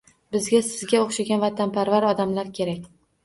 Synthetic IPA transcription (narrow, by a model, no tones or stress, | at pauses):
bɪzɡʲasɪzɡʲaoχʃaɡʲanvat̪ʰanpaɾvaɾɒd̪amlaɾkʲʰe̞ɾakʲ